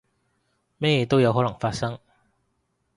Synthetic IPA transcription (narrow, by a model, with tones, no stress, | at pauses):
mɛ˥˩jɛ˧˥t̪o˥wja˧˥wɦo˨˥lɤ˨˩ŋfaː˥sɐ˥ŋ